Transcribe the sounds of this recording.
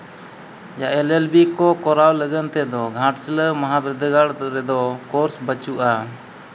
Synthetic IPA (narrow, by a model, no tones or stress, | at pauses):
jaʔɛlɛlbikɔkɔɾawləɡənt̪ɛd̪ɔɡʱãʈsiləmaɦabɛd̪əɡaɽɾɛd̪ɔkɔɾsbət͡ʃuʔa